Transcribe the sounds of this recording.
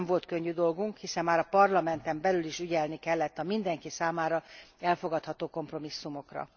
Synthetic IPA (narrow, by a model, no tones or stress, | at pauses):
mvo̞lt̪køɲːyd̪o̞lɡuŋkhisɛmːaːɾɒpɒrlɒmɛnt̪ɛmbɛlyliʃyɟɛlnikɛlːɛt̪ːɒmind̪ɛŋkisaːmaːɾɒɛlfo̞ɡɒt̪hɒt̪oːko̞mpro̞misːumo̞krɒ̰